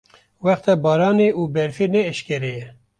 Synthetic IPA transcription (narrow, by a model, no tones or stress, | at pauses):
wɛxt̪ɛbɑːɾɑːneːʔuːbɛɾfeːnɛːʃkʲɛɾɛjɛ